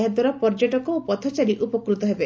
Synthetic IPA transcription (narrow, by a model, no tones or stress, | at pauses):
ɦad̪waɾɔpɔɾd͡ʒoʈɔkɔpɔt̪ʰɔt͡ʃaɾiʔupɔkɾut̪ɔɦebe